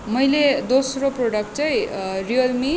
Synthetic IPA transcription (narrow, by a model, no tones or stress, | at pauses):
mʌjled̪osroproɽʌk̚ʈ̚t͡saj̃rijʌlmi